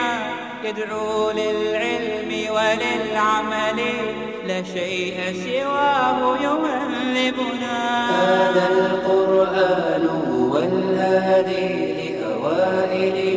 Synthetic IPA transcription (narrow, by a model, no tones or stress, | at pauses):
jad̪ɾuːlɪlʕɪlmɪwalɪlʕamalɪ | laʃajʔasɪwaːhʊjʊalːɪbʊnakaːnalqʊɾʔaːnʊ | walhaːd̪i | lɪʔawaːʔɪdɪ